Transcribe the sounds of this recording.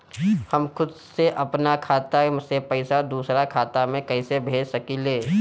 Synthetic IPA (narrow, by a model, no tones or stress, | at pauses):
hɐmkʊd̪seʔɐpnakʰaːt̪asepɛɪsad̪uːsɾakʰaːt̪amẽkɐɪsebʱeːd͡ʒsɐkileː